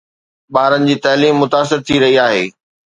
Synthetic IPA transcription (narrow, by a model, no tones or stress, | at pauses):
ɓaːɾənɪ̆d͡ʑiːt̪ɐɦliːmːʊt̪aːs̬ɪɾt̪ʰiɾɐɦiaːɦeː